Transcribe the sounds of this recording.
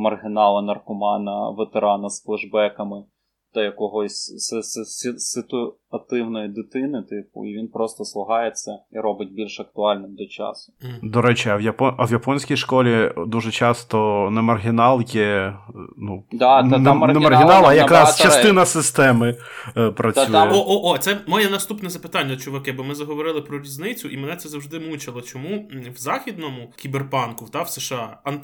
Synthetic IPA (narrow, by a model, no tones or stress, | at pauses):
mɐrɦɪnɑlˠɐnɐrkʊmɑnɐʋet̪eɾɑnɐsklˠɪʒbɛkɐmɪ | t̪ɐjɐkɔɦɔsʲsssʲsɪt̪ʊ | ɐt̪ɪwnɔjid̪ɪt̪ɪnɪt̪ɪpʊ̰iʋʲinpɾɔst̪ɔslˠʊɦɑjet͡sʲːɐiɾɔbɪt̚ʲbʲilʲʃɐk̚t̪ʊɑlʲnɪmd̪ɔt͡ʃɑ̰sʊ̥d̪ɔɾɛt͡ʃɪɐʋjɐpɔɐwjɐpɔnʲsʲkʲijʃkɔlʲid̪uʒɛt͡ʃɑst̪ɔnɛmɐrɦʲɪnɑlˠjɛ | nud̪nnɛmɐrɦɪnɑlˠɐjɐkɾɑst͡ʃɐst̪ɪnɐsɪst̪ɛmɪ | pɾʔɐt͡sʲujjɛoʔoʔot̪sɛmɔjɛnɐst̪upnɛzɐpɪ̥t̪ɑnʲːɐɔt͡ʃɔʋɐkɪbɔmɪzɐɦɔʋɔɾɪlˠɪpɾɔɾʲiznɪt͡sʲʊʔimɛnɛtsɛzɐwʒd̪ɪmut͡ʃɐlˠɐt͡ʃɔmuwzɑxʲid̪nɔmʊkʲiberpɑnkʊt̪ɑwseʃɑɐn